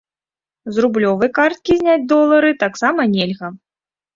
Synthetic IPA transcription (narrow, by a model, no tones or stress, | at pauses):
zrublʲɔvɐjkart̪̚kʲizʲnʲad͡zʲd̪ɔlˠɐɾɨt̪aksamɐnʲelʲɣɐ